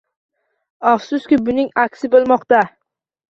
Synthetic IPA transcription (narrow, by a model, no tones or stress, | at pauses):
afsʊskʲɪbʊnɪŋakʲsɪbolˠmɒqt̪a